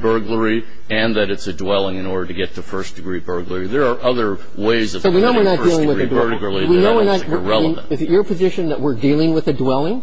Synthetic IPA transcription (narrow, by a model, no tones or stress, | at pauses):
bɜ˞ɡlə˞i | ɨ̃nðɨɾɨtsɨdwɛlˠɪ̃ŋɨ̃nɔɹɾə˞ɾɨɡɛtʰɨfɜ˞sd̥ɨɡɹibɜ˞ɡlə˞iðə˞ːʔʌðə˞ | weɪzʌvsoʊwinoʊɨɹnət̚ilˠɪ̃ŋwɨɹɨdə˞ɾɨk̩ˠiwinoʊwəɹnətwɹɛlˠə̰̃ | ɨzɨt͡ʃə˞pʰɨzɪʃɨ̃nðɨʔ̚wɪɹdilˠɪ̃ŋwɨðɨdwɛlˠɪ̃ŋ